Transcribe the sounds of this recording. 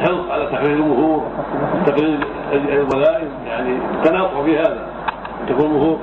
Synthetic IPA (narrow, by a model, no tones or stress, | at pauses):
ħɪlfʕalat̪aħɾiːɾlmʊhuːɾˤɪt̪ːaħiːɾ | albalaːʔɪmjaʕnit̪ːanaːfʊhfihaːða̰ | ʔɪnt̪akuːnmʊhuːɾ